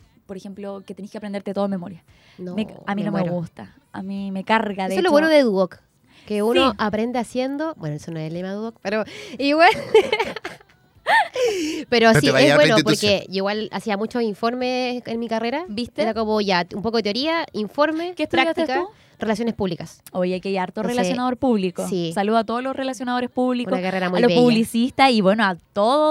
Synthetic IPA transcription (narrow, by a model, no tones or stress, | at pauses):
poɾexemploket̪enikeapɾend̪eɾt̪et̪oðmːemoɾja | nomeaminomeɣust̪a | a̰mimekaɾɣaðeeoloβwenoðeðuok | keunoʔapɾe̞nd̪easjend̪obwenoesonoelemauok̚peɾoiɣwe | peɾoasiewenopoɾkeiɣwala̰siamut͡ʃoiɱfo̞ɾmeenmikareɾabist̪eɾakomoʝaumpokoet̪eo̞ɾiaiɱfo̞ɾmeket̪uɾajt̪ikau | r̥e̞lasjo̞nespuβlikasojakeajaɾt̪orelasjonaðoɾpuβlikosisaluðoat̪oðolosrelasjonaðo̞ɾespuβlikunonakareɾaualoβepuβlisist̪asiβwenoat̪oðo